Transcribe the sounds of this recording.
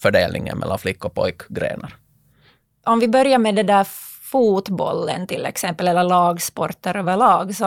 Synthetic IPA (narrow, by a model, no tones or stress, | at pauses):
fœɖeːlnɪŋːə̰nmɛ̰lːanflɪkːɔpʰɔjkɡɾḛːnaɾ | ʔɔmvɪbœɾjamɛd̪ɛd̪æɾ | fuːt̪bɔ̰lːə̰nt̪ʰɪlːɛ̰ksɛmpəlɛlːəɭɑːɡspɔɾt̪əɾøːvəɭɑːɡsɔ